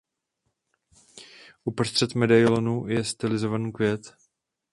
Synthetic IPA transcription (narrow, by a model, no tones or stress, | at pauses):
ʔupɾost̪r̝̥ɛt̪mɛdajlonujɛst̪ɪlɪzovanikvjɛt̪